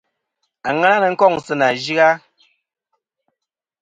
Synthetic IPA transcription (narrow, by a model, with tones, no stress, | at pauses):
a˨ŋa˦na˦nə˨ŋ̩˦kɔ˦˨ŋsɨ˦na˨d͡ʒi˦ɣa˦